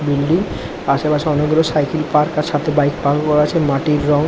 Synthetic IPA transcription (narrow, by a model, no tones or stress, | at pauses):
bilɖiŋ | aʃepaʃeɔneɡɾosajkelpaɾkaʃat̪ʰebajkpaɡokɔɾat͡ɕʰemaʈiɾːɔŋ